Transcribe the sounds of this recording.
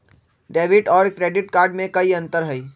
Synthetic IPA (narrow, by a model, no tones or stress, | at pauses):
ɖeːʋɪʈɔːɾkɾeːɖɪʈkaːɾɖmẽkɐiɐ̃nt̪əɾɦɐiː